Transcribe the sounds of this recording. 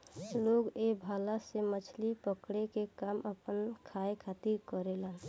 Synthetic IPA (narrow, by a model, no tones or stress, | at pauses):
loːɡebʱaːlasemət͡ʃʰlipəkɽekekaːməpənkʰaekʰat̪iɾkəɾelən